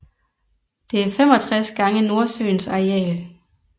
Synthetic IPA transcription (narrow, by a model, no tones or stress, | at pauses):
d̥e̝æɐfem̰ɒ̽t͡sʰʁasɡ̥ɑ̈ŋəno̝ɐsø̰ːnsɑ̈eɛ̰ːl